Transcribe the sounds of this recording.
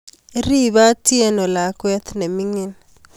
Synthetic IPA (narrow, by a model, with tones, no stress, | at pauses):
ɾi˦βa˦ti˦ɛ˦nɔ˨la˨˦kwɛ˦t̪nɛ˨mi˦ŋi˦n